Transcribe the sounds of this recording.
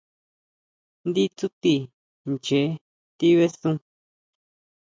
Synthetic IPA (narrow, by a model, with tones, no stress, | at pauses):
nd̪i˦t͡su˦t̪i˧˨ | nt͡ʃe˨˦ | t̪i˦βe˦sũ˦